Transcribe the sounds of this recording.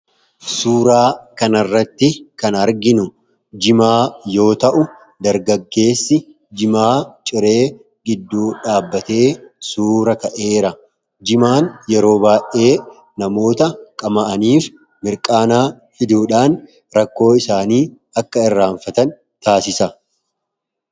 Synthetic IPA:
suːɾaːkɐnɐrːɐt̪ːɪkɐnɐɾɡɪnʊ | d͡ʒɪmaːjo̞ːt̪ɐʔʊ | d̪ɐɾɡɐɡːe̞ːsːɪ | d͡ʒɪmaːt͡ʃʼɪɾe̞ː | ɡɪd̪ːuːᶑaːbːɐt̪e̞ːsuːɾɐkɐʔe̞ːɾɐ | d͡ʒɪmaːnjɛɾo̞ːbaːʔe̞ː | nɐmo̞ːt̪ɐkʼɐmɐʔɐniːf | mɪɾkʼaːnaː | fɪd̪uːᶑaːn | ɾɐkːo̞ːɪsaːniː | ɐkːɐɪrːaːɱfɐt̪ɐn | t̪aːsɪsɐ

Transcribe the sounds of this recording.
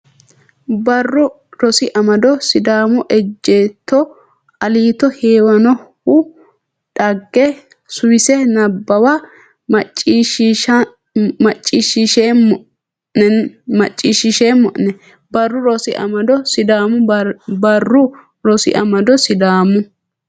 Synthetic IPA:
bɐrːʊ | ɾɔsɪʔɐmɐd̪ɔsɪd̪aːmʊʔɛd͡ʒːeːt̪ːɔ | ɐliːt̪ɔheːwɐnɔhʊ | ᶑɐɡːɛ | sʊwɪsɛnɐbːɐwa | mɐt͡ʃʼːiʃ | mɐt͡ʃʼːiːʃɪʃe | ɛmɐt͡ʃʼːiːʃɪʃeːmːɔ̰ʔnɛ | bɐrːʊɾɔsɪʔɐ̰mɐd̪ɔsɪd̪aːmʊbɐrːʊ | ɾɔsɪ̰ʔɐmɐd̪ɔsɪd̪aːmʊ

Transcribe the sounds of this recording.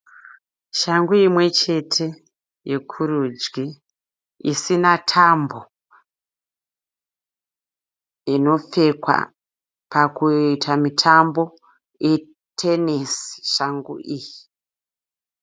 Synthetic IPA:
ʃaŋɡuimwe̞t͡ʃe̞tʰe̞ | je̞kʰuɾud͡ʒɡi | ḭsinatʰambo̞ | ino̞p͡fe̞kwa̰ | pakuitʰamitʰambo̞ | e | tʰenisʃaŋɡṵʔiːji

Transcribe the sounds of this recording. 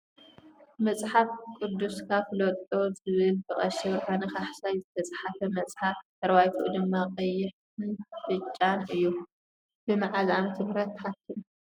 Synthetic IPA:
mɐt͡sʼħafkʼud̪ːuskʰaflot̪ʼozɨβɨlt̪ʰɨχʼɐʃɛβɾʔanɐxaħsajzɨt̪ʰɐsʼaħafɐmɐt͡sʼħaft̪ʰɐɾβajt̪ʰuʔd̪ɨmːaqʼɐjːɪħtɨnfɨt͡ʃʼːanɨjːu | b̥ɨmaʕazamt̪ʰɨhɾɐt̪ːħat̪ʰːiʔ

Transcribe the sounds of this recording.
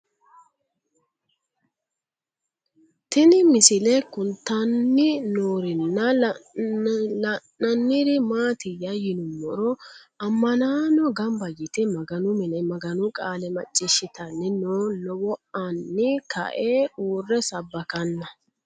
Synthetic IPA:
t̪ɪnɪmɪsɪlɛkʊnt̪ɐnːɪnoːɾɪnːɐ | lɐnːɐnːɪɾɪmaːt̪ɪjɐjɪnʊmːɔɾɔɐmːɐnaːnɔɡɐmbɐjɪt̪ɪmɐɡɐnʊmɛnɛmɐɡɐnʊkʼaːlɛmɐt͡ʃʼːɪʃɪt̪ɐnːɪnoːlɔwɔʔɐnːɪkʰɐ̰ʔeːuːrːɛsɐbːɐkɐnːɐ

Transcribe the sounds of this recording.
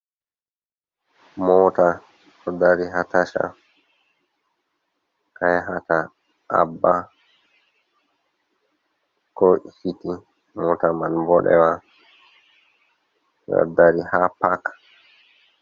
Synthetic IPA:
mɔːta | ɔdaɾiɦataʃa̰ | kajɦata | ʔa̰bːa | kɔhiti | mɔtamanbɔɗɛ̰wa | jɔ̰daɾihapak

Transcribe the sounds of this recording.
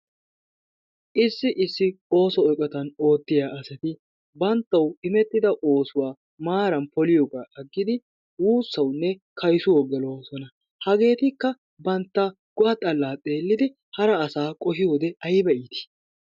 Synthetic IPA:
ʔɪsːɪʔɪsːɪo̞ːsɔːjkʼːɐt̪ɐno̞ːt̪ːɪjaːʔɐsɛt̪ɪ | bɐnt̪ːɐwɪmɛt̪ʼːɪd̪ɐʔo̞ːsʊwaː | maːɾɐnpɔlɪjɔɡaːʔɐɡːɪd̪ɪ | wuːsːɐwnːɛkʰɐjsʊwɔɡɛlosɔnɐ | hɐɡe̞ːt̪ɪkːɐ | bɐnt̪ːɐ | ɡ̥ʊɐt̪ʼɐlːaːt̪ʼe̞ːlːɪd̪ɪ | hɐɾɐːsaːkʼɔhɪjo̞ːd̪ɛɐjbɛʔiːt̪ɪ̥

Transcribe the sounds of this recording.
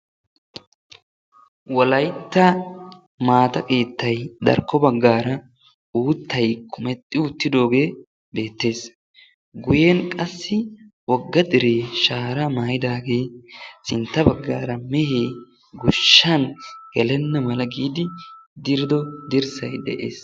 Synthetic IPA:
wɔlɐjt̪ːɐ | maːt̪ɐkʼeːt̪ːɐjd̪ɐ̰ɾkːɔbɐɡːaːɾɐ | uːt̪ʰːɐjkʰʊmɛt̪ʼːɪʊt̪ːɪd̪o̞ːɡe̞ː | be̞ːt̪ːe̞ːs | ɡʊjɛnkʼɐsːɪwɔɡːɐd̪ɪɾeːʃaːɾɐmaːjɪd̪aːɡe̞ːsɪnt̪ːɐbɐɡːa̰ːɾɐmɛheː | ɡʊʃːɐnɡ̥ɛlɛnːɐmɐlɐɡiːd̪ɪd̪ɪɾɪd̪ɔd̪ɪɾsɐjd̪ɛ̰ʔḛːs

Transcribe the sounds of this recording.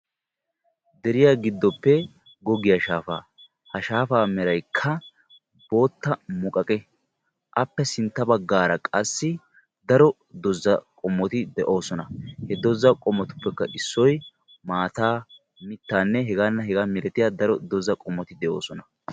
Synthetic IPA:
d̪ɛɾɪjaːɡɪd̪ːɔpːɛ | ɡɔɡɪjaʃaːfa̰ː | hɐʃaːfaːmɛɾɐjkʰːɐ | bo̞ːt̪ːɐmʊkʼɐkʼɛ | ʔɐpːɛsɪnt̪ːɐbɐɡːaːɾɐkʼɐsːɪ | d̪ɐɾɔ | d̪ɔzːɐkʼɔmːɔt̪ɪd̪ɛʔo̞ːsɔnɐhɛd̪ɔzɐkʼɔmːɔt̪ʊ̥pːɛkːɐʔɪsːɔj | maːt̪aː | mɪt̪ːaːnːɛɦɛɡaːnːɐɦɛɡaːmɪɾɛt̪ɪjad̪ɐɾɔd̪ɔzɐkʼɔmːɔt̪ɪd̪ɛʔo̞̰ːsɔnɐ

